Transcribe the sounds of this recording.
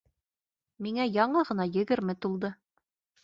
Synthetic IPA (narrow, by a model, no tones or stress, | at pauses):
miŋæjɑɴɤʁɤ̆nɑjɘ̆ɡɘɾmɘt̪ulˠd̪ɤ